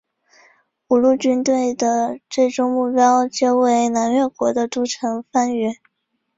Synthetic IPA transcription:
u˨˩lu˥˩t͡ɕy˥nt̪we˥˩ɪd̪ə˩ʈ͡ʂe˥˩ɪʈ͡ʂʊ˥ŋmu˥˩pjɑ˥ʊt͡ɕjo˥˧ʊwe˥˩ɪna˧˥nɥɛ˥˩kwɔ˧˥d̪ə˧ʈ͡ʂ̪u˥ʈ͡ʂʰɤ˧˥ŋfa˥nɛ˥˩˦

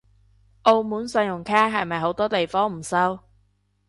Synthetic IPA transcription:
ʔo˧wmuː˨˥nsɐ˧jʊ˨˩ŋkʰaː˥ɦɐ˨jmɐ˨jɦo˨˥wt̪ɔː˥t̪e˨jfɔː˥ŋm̩˨˩sɐ˥w

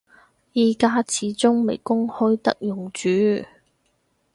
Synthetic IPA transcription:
jiː˨kaː˧t͡sʰiː˨˥t͡sʊ˥ŋme˨˩jkʊ˥ŋhɵ˥ɥt̪ɐ̰˥k̚jʊ˨˩ŋt͡ʃyː˨˥

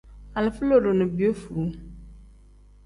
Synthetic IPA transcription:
a˨lfu˦lo˦˨do˨nɨ˨bi˨o˦fu˨ɾu˨˦

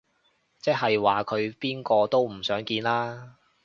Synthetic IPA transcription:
t͡sɛː˥ɦɐ˨jwaː˨˩kʰɵ˨˧ɥpiː˥nkɔː˧t̪o˥wm̩˨˩sœː˨˥ŋkiː˧nlaː˥

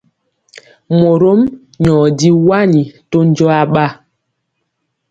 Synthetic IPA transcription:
mo˨ɾo˦m | ɲɔ˨di˦wa˦ɲi˨to˦n˦d͡ʒɔ˦a˦ɓa˦

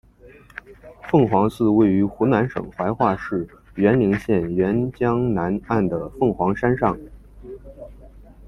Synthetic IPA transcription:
fɤ˥˩ŋxwɑ˧˥ŋsɹ̩˥˧we˥˩ɪy˧˥xu˧˥na˧˥nʂɤ̰˨˩ŋxwa˧˥ɪxwa˥˧ʂɻ̩˥˩ɥɛ˧˥nli˧˥ŋɕjɛ˥˩nɥɛ˧˥nt͡ɕjɑ˥ŋna˧˥na˥˩nd̪ə˩fɤ˥˩ŋxwɑ˧˥ŋʂa˥nʂɑ˥˩ŋ

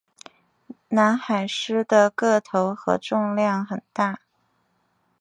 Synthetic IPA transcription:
na˧˥nxa˨˩ɪʂɻ̩˥d̪ə˨kɤ˥˩t̪ʰo˧˥ʊxɤ̰˧˥ʈ͡ʂʊ˥˧ŋljɑ˥˩ŋxə˨˩nt̪a˥˩

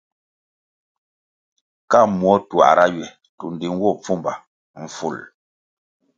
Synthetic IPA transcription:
ka˦˨mwɔ˦twa̰˨ɾa˦jɥɛ˨ | tu˨n˨di˨ŋ˦wɔ˦˨p͡fu˦˨mba˨ | ɱ̩˨fṵ˦˨l

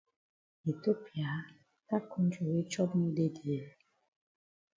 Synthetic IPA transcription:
e˨to˦pi˨a˨˦ | ta˦kũ˦n̩˦d͡ʒo˨we˦t͡ʃɔ˦bnu˦de˦di˨e˦

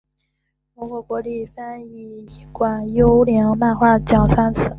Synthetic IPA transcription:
mɔ˧˥xwɔ˧˩kwɔ˧˥li˥˩fa˥ni˥˩kwa˨˩njo˥ʊljɛ˧˥ŋma˥˧xwa˥˩t͡ɕjɑ˨˩ʊsa˥nt͡sʰɹ̩˥˩

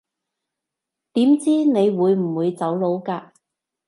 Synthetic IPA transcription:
t̪iː˨˥mt͡siː˥ne˨˧jwuː˨˧jm̩˨˩wuː˨˧jt͡sɐ˨˥wlo˨˧wkaː˧

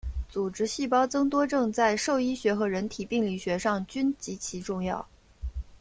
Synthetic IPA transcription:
t͡su˨˩ʈ͡ʂɻ̩˥ɕi˥˩pɑ˥ʊt͡sɤ˥ŋt̪wɔ˥ʈ͡ʂɤ˥˧ŋt͡sa˥˧ɪʂo˥˩ʊi˥ɕɥɛ˧˥xɤ˧˥ɻə˧˥nt̪ʰi˨˩pi˥˧ŋli˥˩ɕɥɛ˧˥ʂɑ˥˩ŋt͡ɕy˥nt͡ɕi˧˥t͡ɕʰi˧˥ʈ͡ʂʊ˥˧ŋjɑ̰˥˩ʊ

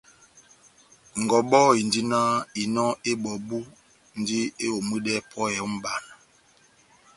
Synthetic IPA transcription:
ŋ̩˨ɡɔ˨ɓɔ˦˨i˨n˦di˦na˦i˨nɔ˦e˦bɔ˨bu˦ | n̩˨˦di˦e˦o˨mɨ˦dɛ˦pʰɔ˦ɛ˨˦m̩˦ba˨n˨

